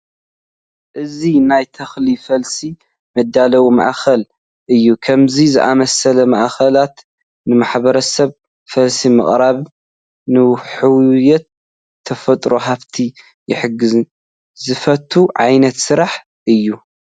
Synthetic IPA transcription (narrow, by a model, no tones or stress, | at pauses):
ʔɨzinajt̪ʰɐxlifɐlsi | mɐd̪ːalɐwuma̰ʔxɐl | ʔɨjːukʰɐmzizɨʔamɐsɐlɐma̰ʔxɐlat̪ | nɨmaħβɐɾɐsɐβ | fɐlsimɐ̰χʼɾaβ | nɨħɨwjɛt̪ʰː | ɐfɐt̪ʼɾo̞ɦaβt̪ʰi | jɪ̰ħɨɡɨzɨn | zɨfɐt̪ʰːuʕajnɐt̪sɨɾaħ | ʔɨjːu